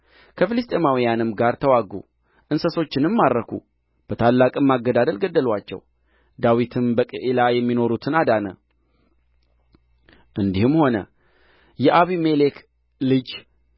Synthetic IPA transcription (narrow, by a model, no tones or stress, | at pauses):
kʰəfɨlɨst̪ʼe̞mawijanɨmɡaɾt̪ʰəwaɡṵ | ʔɨnsəso̞t͡ʃːɪnɨmːaɾːəkʰṵ | b̥ət̪ʰalːakʼɨmːaɡːəd̪ad̪əlɡəd̪ːəlwat͡ʃːɛ̰w | d̪awit̪ʰɨmbəkʼəʔelajɛmːino̞ɾut̪ʰɨnad̪anə | ʔɨnd̪ihɨmho̞nə̰ | jɛʔaβimelek | lɨd͡ʒ